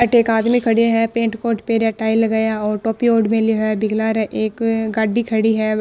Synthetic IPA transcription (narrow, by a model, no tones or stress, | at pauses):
ʈeːkaːd̪mikʰɐɽiaɦɛpẽːɳʈkoːʈpeɾeʈaːilɡɐjaɔːɾʈɔːpioːɖmẽliɛbɪɡlaɾʔeːkɡaːɖːikʰɐɽiɦɛ